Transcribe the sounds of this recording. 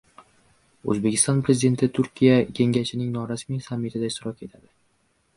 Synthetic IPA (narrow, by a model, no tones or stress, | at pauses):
ɵ̰zbekʲʰɪst̪ɒnpɾezɪd̪e̞t̪ʰɪt̪ʰʊɾkʲʰijakʲʰe̞ŋʲaʃɪnɪŋnɒɾasmijsamːɪt̪ʰɪd̪aɪʃt̪ɪɾɒkʲe̞t̪ʰad̪ɪ